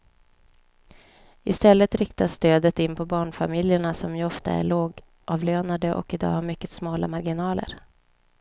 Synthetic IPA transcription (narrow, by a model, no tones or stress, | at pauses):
ɪst̪ɛlːət̪ɾɪkt̪asːt̪øːd̪ət̪ɪnːpʰɔbɑːɳfamɪljəɳasɔmjɵɔft̪a̰æ̰ɭoːɡ | ʔɑːvløːnad̪əʔɔ̰kɪd̪ɑ̰ːhaɾmʏkːət̪smɑːlamaɾɡɪnɑːlə̰ɾ